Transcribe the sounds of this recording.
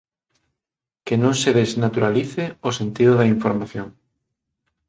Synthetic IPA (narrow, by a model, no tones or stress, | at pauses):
kenõŋseðeznat̪uɾaliθɪosent̪iðʊðɐiɱfoɾmaθjoŋ